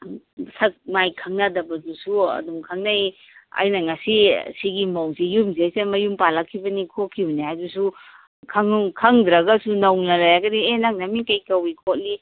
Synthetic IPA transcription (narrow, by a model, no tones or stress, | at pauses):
sɐk̚majkʰɐŋnadɐbɐdusuɐ̰dumkʰɐŋnai | ɐ̰jnɐŋɐsisiɡimowsijumziajsemɐjumpalakʰːibɐnikʰokʰːiwniɦajdusu | kʰɐŋkʰɐŋd̪ɾɐɡɐsunɐwnɐlajaɡɐdienaŋnɐmikɐjkɐwikʰot̚li